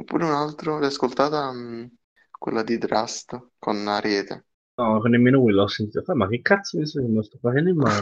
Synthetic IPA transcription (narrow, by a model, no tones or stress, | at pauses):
opːṵːɾeunalt̪ɾolɛjaskolt̪aːt̪a | kwḛlːad̪id̪ɾast̪ | konaɾɛːt̪ḛ | nɔkonːemːeːnokwilɔsːent̪it̪oamakːekːat̪somist̪okemelost̪ɔfːat͡ʃɛnd̪imːa